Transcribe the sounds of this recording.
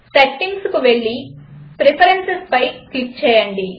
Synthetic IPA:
sɐʈːiŋɡskuʋe̞ɭːipɾepʰɐɾensespɐjkik̚t͡ʃɛːjɐɳɖi

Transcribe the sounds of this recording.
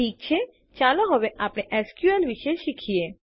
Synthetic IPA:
ik̚t͡ʃʰe | t͡ʃaloɦəʋeʔapɽ̃eʔɛskjuənlʋiʃeʃikʰie

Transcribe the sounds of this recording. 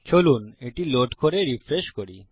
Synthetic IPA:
kʰoluneʈiloʈkoɾeɾifʰɾeʃkoɾi

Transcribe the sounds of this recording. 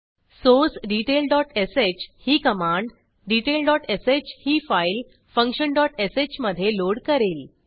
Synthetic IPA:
sosɖiʈelɖɔʈeset͡ɕhiːkəmãɳɖ | ɖiʈelɖɔʈeset͡ɕhiːfajl | fə̃ŋkɕənɖɔʈeset͡ɕməd̪ʱːjeloɽkəɾiːl

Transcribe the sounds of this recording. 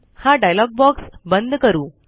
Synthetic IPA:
haɖajlɔɡ̚bɔksbənd̪ʱkəɾuː

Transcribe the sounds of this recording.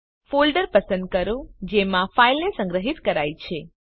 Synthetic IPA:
folɖəɾpəsə̃nd̪̚kəɾũd͡ʒemãfailnesə̃ŋɡɾəɦit̪kəɾajt͡ʃʰe

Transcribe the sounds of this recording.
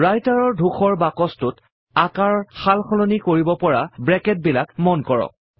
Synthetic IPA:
ɹajtaɹɔɹdʱuxɔɹbakɔstʊt | akaɹɔxalxɔlonikoɹibɔpɔɹabɹɛkɛt̚bilakmɔnkɔɹɔ̰k̚

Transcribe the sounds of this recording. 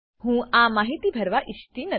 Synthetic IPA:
ɦũːaːmaːɦit̪ibʱɐɾʋaʔiʃt̪inɐ

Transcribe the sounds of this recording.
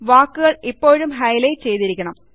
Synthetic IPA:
ʋaːkːɯɣɐɭipːoːɻɯmɦɐjlejt͡ɕejt̪iɾikʲːɐɳɐm

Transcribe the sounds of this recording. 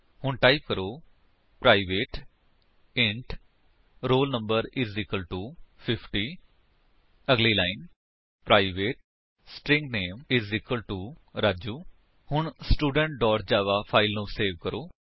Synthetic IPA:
hʊɳʈaːip̚kəɾoː | pɾaːɪʋeːʈ | ɪɳʈ | ɾoːlnəmbəɾɪzɪkəlʈuːpʰɪpʰʈiː | əɡliːlaːɪn | pɾaːiʋeːʈ̚ | sʈɾɪ̃ŋɡneːmɪzɪkəlʈuːɾaːd͡ʒuː | hʊɳsʈuːɖəɳʈ̚ɖɔːɾ̚d͡ʒaːʋaːpʰaːɪlnũːseːʋkəɾoː

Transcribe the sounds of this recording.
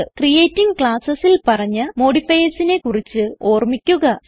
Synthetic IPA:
krijeːtːiŋɡkɭaːsɐsilpɐrɐɲːɨmo̞ːɽifɐjɐsine̞kurit͡ɕːɨoːrmikʲːuɣɐ

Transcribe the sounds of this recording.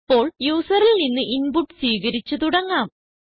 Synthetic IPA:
pːo̞ːɭjuːsɐrillninːɨʔinpuʈːswiːɣɐɾit͡ɕːut̪uɽɐŋːaːm

